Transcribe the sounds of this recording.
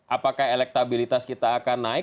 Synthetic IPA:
ʔapakahelɛk̚t̪abilit̪askit̪aːkanːaɪ

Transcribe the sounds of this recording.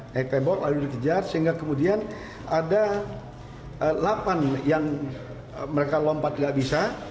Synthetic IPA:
ɛt̪ɛmbɔrlaludikəd͡ʒarsəɦiŋɡakəmudian | ada | əlapanjaŋ | məɾekalɔmpat̪̚ŋɡaʔbisa

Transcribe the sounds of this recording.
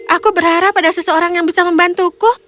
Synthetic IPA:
ʔakubəɾhaɾapːadasəsəoɾaŋjaŋbisaməmbant̪ukʊ

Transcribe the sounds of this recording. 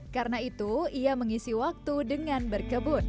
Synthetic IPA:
kaɾənait̪uiaməŋisiwak̚t̪udəŋanbərkəbʊt̪̚

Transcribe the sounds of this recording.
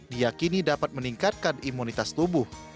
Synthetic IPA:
dijakinidapat̪̚məniŋkat̪̚kanimunit̪ast̪ubʊh

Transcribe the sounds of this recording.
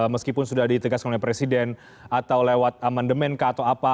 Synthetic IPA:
məskipʊnsudahdit̪əɡaskanolɛpɾesidɛn | at̪awlewat̪̚amandəmɛnkat̪awapa

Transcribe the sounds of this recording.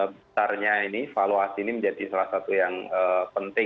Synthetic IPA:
bət̪arɲainifaloasiːniməɲd͡ʒadisalahsat̪ujaŋəpənt̪ɪ

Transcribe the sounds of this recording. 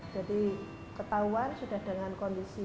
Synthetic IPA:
d͡ʒ̥ad̪̥i | kət̪auansuɖ̥a̤hd̪̥aŋankɔnd̪isi

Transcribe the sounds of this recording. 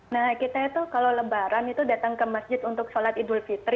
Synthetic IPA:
nahkit̪ait̪uhkaloləbaɾanit̪udat̪aŋkəmasd͡ʒɪt̪unt̪ʊksolat̪idʊlfit̪ɾ

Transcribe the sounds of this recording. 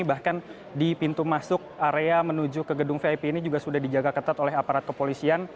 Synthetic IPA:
ibahkan | dipint̪umasʊk̚aɾeamənud͡ʒʊkəɡədʊŋfeapeinid͡ʒuɡasudahdid͡ʒaɡakət̪at̪olɛɦapaɾat̪̚kəpolisian

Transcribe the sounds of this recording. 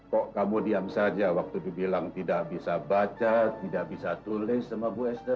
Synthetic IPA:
kɔʔkamudiamsad͡ʒawak̚t̪udibilaŋt̪idaʔbisabat͡ʃat̪idaʔbisat̪ulɪsamabuɛsdə

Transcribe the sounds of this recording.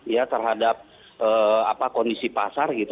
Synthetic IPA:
jat̪ərɦadap̚ | ʔəːapakɔndisipasarɡit̪

